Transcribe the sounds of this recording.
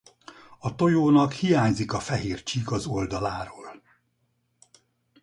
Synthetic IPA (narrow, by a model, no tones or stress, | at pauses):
ɒt̪o̞joːnɒkhijaːɲzikɒfɛɦeːrt͡ʃiːɡɒzo̞ld̪ɒlaːɾoːl